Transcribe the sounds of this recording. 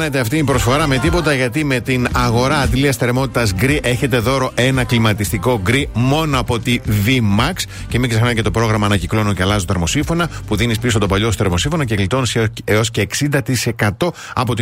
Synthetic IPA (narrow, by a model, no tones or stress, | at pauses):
net̪e̞ɐft̪iːmpɾo̞sfo̞ɾɐme̞t̪ipo̞t̪ɐʝɐt̪ime̞t̪inɐɣo̞ɾɐːd̪liɐst̪eɾmo̞t̪it̪ɐzɡɾiʔe̞çe̞t̪e̞ðo̞ɾo̞ʔe̞nɐklimɐt̪ist̪iko̞ɡɾimo̞noɐpo̞t̪ivimɐks | ce̞miɡzexnɐmice̞t̪opɾo̞ɣɾɐmɐːnɐciklo̞nuceɐlɐzot̪eɾmo̞sifo̞nɐpuðinispisot̪o̞pɐʎo̞st̪eɾmo̞sĩfo̞nɐceklit̪o̞niseo̞sceːksind̪ɐt̪ise̞kɐt̪o̞ | ɐ̰po̞t̪i